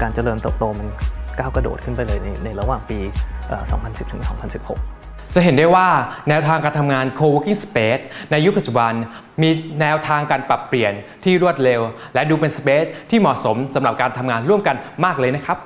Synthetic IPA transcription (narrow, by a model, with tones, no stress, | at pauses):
kaː˧nt͡ɕa˧lɤː˧nt̪ɤː˨˩p̚t̪oː˧ma˧nkaː˥˩wkɾa˧do̰ː˨˩t̪̚kʰɯ˥˩npa˧jlɤː˧jna˧jna˧jɾa˧waː˨˩ŋpiː˧ʔəː˨˩sɔ̰˩˦ŋpʰa˧nsi˨˩p̚t̪ʰɯ˩˦ŋsɔː˩˦ŋpʰa˧nsi˨˩p̚ho̰˨˩k̚ | t͡ɕa˨˩ʔɦe˩˦ndu˥˩jwaː˥˩nɛː˦˥wt̪ʰaː˧ŋkaː˧nt̪ʰa˧mŋaː˧nkʰoː˧woː˦˥ki˥ŋspeː˦˥t̪̚na˧jːu˦˥pa˨t̪̚t͡ɕu˨˩ba˧n | miː˧nɛː˦˥wt̪ʰaː˧ŋkaː˧npa˨˩pːli˨˩ənt̪ʰiː˥˩ɾu˥˩ət̪̚le˧w | lɛ˦˥duː˧pe˧nspeː˦˥t̪̚t̪ʰːiː˥˩mɔ˨˩so˩˦msa˩˦mɾa˨˩p̚kaː˧nt̪ʰa˧mŋaː˧nɾu˥˩əmka˧nmaː˥˩k̚lɤː˧jna˦˥kʰɾa˦˥p̚